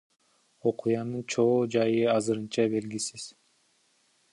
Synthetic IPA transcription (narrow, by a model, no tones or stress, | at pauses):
o̞qʰujɑnɯnt͡ʃʰo̞ːd͡ʒɑjɯɑzɯɾɯnt͡ʃɑbe̞lɡisiz̥